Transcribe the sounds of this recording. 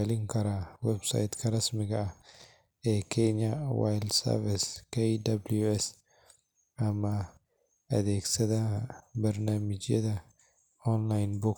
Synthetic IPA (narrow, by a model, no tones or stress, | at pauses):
lɪŋkɐɾɐwɛbsa̰jt̪kʰɐɾɐsmɪɡɐɐ | ʔekʰeːɲːɐwa̰jldsɐ̰ɾvɪskɐjd̪ɐbljuɛs | ɐmːɐ | ɐd̪eːksɐt̪ɐbɐɾnaːmɪd͡ʒjɛ̰t̪ɐ | ɔnlajnbʊk